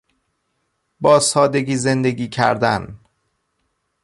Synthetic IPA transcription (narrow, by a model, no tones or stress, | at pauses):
bɒːsɒːd̪e̞ɡiːze̞nd̪e̞ɡiːcʰæ̰ɾd̪æ̰n